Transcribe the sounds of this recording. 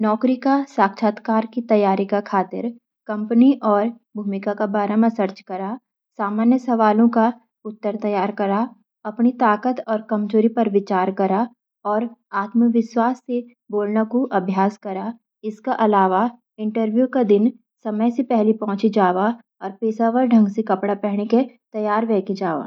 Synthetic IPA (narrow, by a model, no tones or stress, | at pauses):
nɔːkɾikasaːkʃʰaːt̪kaːɾkit̪ɐjaːɾikakʰaːt̪ɪ̰ɾ | kɐ̃mpəniʔɔːɾ | bʱuːmɪkakabaːɾəməsəɾt͡ʃkɐɾa | saːmaːnjəsɐʋaːlõka | ʊt̪ːəɾt̪ɐjaːɾkɐɾa | ɐpnit̪aːkət̪ɔːɾkɐmd͡ʒoːɾipɐɾʋɪt͡ʃaːɾkɐɾa | ɔːɾaːt̪məʋɪʃwaːsːe | boːlnakoʔɐbʱjaːskɐɾaː | ɪskaʔɐlaːʋa | ɪ̃ɳʈəɾʋjukad̪ɪn | sɐməjsepɛɦlipɔ̃ɦʊ̃t͡ʃid͡ʒaːʋa | ɔːɾpeːsaʋəɾɖʱɐ̃ŋɡsekɐpɽapɛɦɽ̃eke | t̪ɐjaːɾʋɛːkid͡ʒaːʋa̰ː